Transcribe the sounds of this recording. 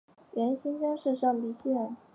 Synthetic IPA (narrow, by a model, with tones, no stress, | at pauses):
jɛ˧˥nɕi˥nɕɑ˥ʂɻ̩˥˧ʂɑ˥˩ŋpi˧˥ɕjɛ˥˩